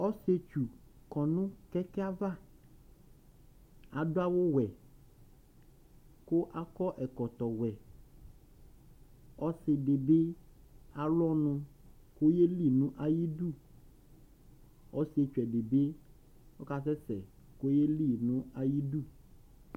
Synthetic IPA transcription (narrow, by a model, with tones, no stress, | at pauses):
ɔ˦se˦t͡ʃu˨kɔ˨nũ˦kɛ˦kɛ˦a˦va˦ | a˨ɖo˦a˦wo˦wɛ˨ | ko˦ʔa˦kɔ˦ʔɛ˨kɔ˨t̪ɔ˨wɛ˨ | ɔ˦se˨ɖe˨be˦ | a˨lɔ˦nũ˦ | ko˦je˦li˦nũ˦ʔa˨ji˦ɖu˦˨ | ɔ˦se˨t͡ʃu˨ɛ˨ɖe˨be˦ | wo˦ka˦sɛ˦sɛ̰˨ | ko˦je˦li˦nũ˦a˨ji˦du˦˨